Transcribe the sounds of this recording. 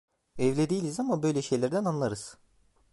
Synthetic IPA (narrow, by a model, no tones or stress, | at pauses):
ɛvlʲed̪ijilʲizamabø̞jlʲeʃe̞jlʲæɾd̪ænanlˠaɾɯz̥